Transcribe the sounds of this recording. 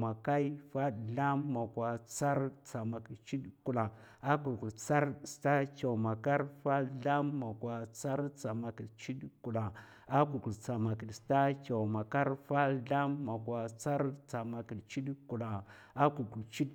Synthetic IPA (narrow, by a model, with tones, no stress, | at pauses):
ma˨ka˦i˦fa˦ɬa˦mːa˨ɡʷwa˨t͡sa˦ɾt͡sa˨ma˨ki˨t͡ʃi˦dku˨la˨ | a˦ku˨lku˨lt͡sa˦ɾsta˦kʲa˨ma˨ka˦ɾfa˦ɮa˦mːa˨kwa˨t͡sa˦ɾt͡sa˨ma˨ki˨t͡ʃi˦dku˨la˨ | a˦ku˨ɡu˨lt͡sa˨ma˨ki˨lsta˦kʲa˨ma˨ka˦ɾfa˦ɬa˦mːa˨kwa˨t͡sa˦ɾt͡sa˨ma˨ki˨lt͡ʃi˦dku˨la˨ | a˦ku˨ɡu˨lt͡ʃi˦d